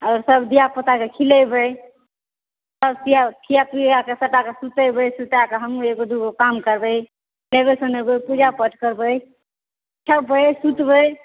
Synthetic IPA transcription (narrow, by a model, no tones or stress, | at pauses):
aʊɾsəbd̪ijapət̪akekʰiləjbəj | səbsijakʰijapud͡ʒakesəʈakesut̪əjbəjsut̪akeɦəmueɡod̪uɡokamkəɾbəj | lebəsənebəjpud͡ʒapəʈʰkəɾbəj | t͡ʃʰəbəjsut̪bəj